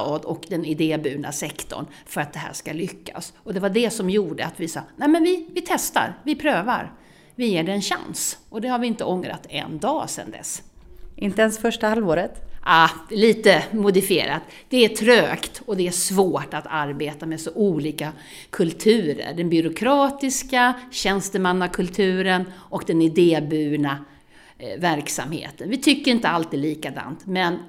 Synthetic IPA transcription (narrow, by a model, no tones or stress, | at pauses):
ɑd̪ɔkd̪ɛnɪd̪eːbʉːnasɛkt̪ɔ̰ɳ | fœɾat̪̚d̪ɛɦæ̰ːʂkalʏkʰːa̰sɔd̪ɛvaɖɛsɔmjuːɖəat̪vɪsɑ̰ːnæmɛnvɪvɪt̪ʰɛst̪a̰ɾvɪpʰɾøːva̰ɾ | vɪjeːɖɛɛnɕa̰nsʔɔd̪ɛhaɾvɪɪnt̪əɔŋɾa̰t̪ːɛ̰nd̪ɑːsɛ̰nd̪ɛ̰s | ʔɪnt̪əɛnsfœʂʈahalvoːɾət̪aːliːt̪əmʊd̪ɪfɪḛːɾa̰t̪ | d̪̥ɛæʈʰɾøːkt̪ɔd̪ɛæʂvoːʈat̪ʰaɾbeːt̪amɛsɔʔuːliːka | kʰɵlt̪ʰʉ̟ːɾə̰ɖɛnbʏɾʊkʰɾɑːt̪ɪskaɕɛnst̪əmanːakʰɵlt̪ʰʉ̟ːɾənʔɔkd̪ɛnɪd̪eːbʉ̟ːna | væɾksa̰mhḛːt̪ənvɪt̪ʰʏkːəɾɪnt̪əalt̪ʰiːd̪liːkad̪a̰nt̪mɛn